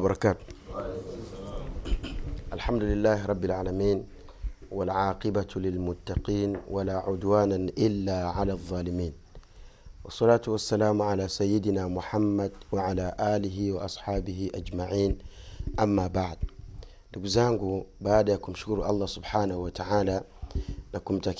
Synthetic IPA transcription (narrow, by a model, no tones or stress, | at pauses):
bɑɾˤɑkaːt̪ | ʔalħamd̪ulɪlːaːhɾˤɑbːɪlʕaːlamiːn | walʕɑːqɪbalɪlmʊt̪ːaqiːnwalaʕʊd̪waːnaʔɪlːaʕalaːðˤːɑːlɪmiːn | wɑsˤːɑlaːt̪wasːalaːmʕalaːsajːɪd̪namʊħamːad̪waʕalaːʔaːlɪɦiwɑʔɑsˤħɑːbɪhiʔad͡ʒmaʕiːn | ʔamːaːbaʕd̪̚ | lɪɡzaːŋɡubaːd̪akumʃʊ̥kʊɾʔɑ̰lˤːɑsʊbħaːnahwat̪aʕaːla | nakumt̪ak